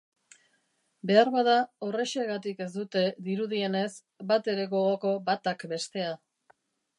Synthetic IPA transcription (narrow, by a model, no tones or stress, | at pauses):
be̞aɾβaðaore̞ʃeɣat̪ike̞zd̪ut̪e̞ðiɾuð̞ie̞ne̞s | bat̪e̞ɾe̞ɣo̞ɣo̞ko̞bat̪akbe̞st̪e̞a